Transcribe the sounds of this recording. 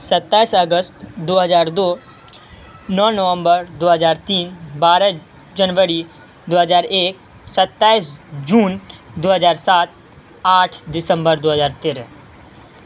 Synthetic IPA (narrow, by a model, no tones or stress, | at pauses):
sət̪ːaːisəɡəst̪d̪oːɦəzaːɾd̪oː | nɔːnəʋə̃mbəɾd̪oːɦəzaːɾt̪iːnbaːɾə | d͡ʒənʋəɾi | d̪oːɦəzaːɾeːk̚ | sət̪ːaːisd͡ʒuːnd̪oːɦəzaːɾsaːt̪̚ | aːʈʰd̪ɪsə̃mbəɾd̪oːɦəzaːɾt̪ɪɾ